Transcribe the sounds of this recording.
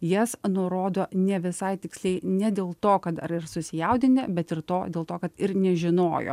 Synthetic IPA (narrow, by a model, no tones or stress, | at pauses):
jɛsnʊɾoːd̪oːnʲɛʋʲɪsɐɪt̪ʲɪksʲlʲɛɪnʲɛd̪ʲeːlˠt̪oːkɐt̪ɐɾɪɾsʊsʲɪjɛʊd̪ʲɪnʲɛbʲɛt̪ɪɾt̪oːd̪ʲeːlˠt̪oːkɐt̪ɪɾnʲɛʒʲɪnoːjo̰ː